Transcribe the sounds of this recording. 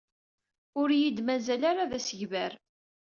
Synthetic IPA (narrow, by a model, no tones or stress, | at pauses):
ʊɾjid̪mæzælaɾaðæsəʝvæɾ